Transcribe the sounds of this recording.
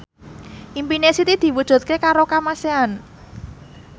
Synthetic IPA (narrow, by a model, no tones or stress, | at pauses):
ʔimpinesit̪id̪̥i̤wud̥ʒ̥ṳt̪̚kekaɾokamasean